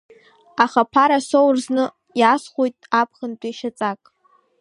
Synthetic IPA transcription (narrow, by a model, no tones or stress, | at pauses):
aχapʰaɾasowrznɨ | jasχʷojtʼapʰχəntʷʼiʃat͡sʼakʼ